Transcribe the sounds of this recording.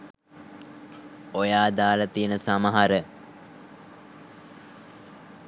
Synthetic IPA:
ojaːd̪aːlat̪iənəsaməɦaɾə

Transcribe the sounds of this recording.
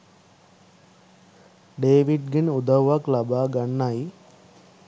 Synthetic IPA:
ɖeːʋiɖɡinud̪ɐʋʋaklɐbaːɡɐɳːaj

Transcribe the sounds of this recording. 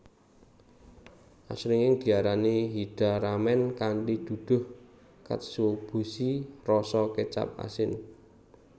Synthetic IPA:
ʔa̰sɾɪŋɪŋd̪̥i̤aɾaneɦid̪̥a̤ɾamɛnkanʈid̪̥ṳd̪̥ʊ̤h | ka̰t̪sub̥o̤sirɔsɔket͡ʃa̰p̚a̰sɪn

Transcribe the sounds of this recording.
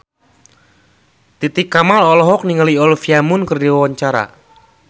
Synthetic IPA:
t̪it̪ɪkːamalɔlɔɦɔk̚niŋaliɔlfiamʊnkərdiwwaɲt͡ʃaɾa̰

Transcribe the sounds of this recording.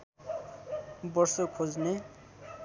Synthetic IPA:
bʌrsokʰod͡zne

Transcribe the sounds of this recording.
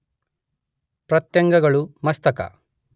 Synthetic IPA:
pɾɐt̪jɐŋɡɐɡɐɭumɐst̪ɐkɐ̰

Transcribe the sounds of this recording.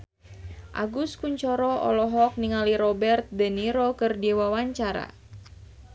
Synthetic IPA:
ʔa̰ɡuskuɲt͡ʃɔɾɔɔ̰lɔɦɔk̚niŋaliɾɔbɛrt̪̚dəniɾokɨrdiwawaɲt͡ʃaɾa̰

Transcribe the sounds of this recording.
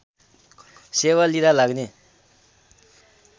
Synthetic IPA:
sewaliɾalak̚ne

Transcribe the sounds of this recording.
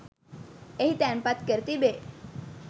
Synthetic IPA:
eɦit̪ɛnpat̪kəɾt̪ibe

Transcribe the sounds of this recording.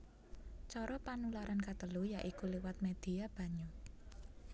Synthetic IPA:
t͡ʃɔɾɔpanulaɾankat̪əlujaʔikuliwat̪̚med̪̥i̤ab̥a̤ɲu

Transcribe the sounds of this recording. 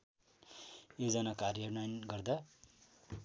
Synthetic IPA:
jod͡zʌnakarjʌrnajnɡʌrd̪a

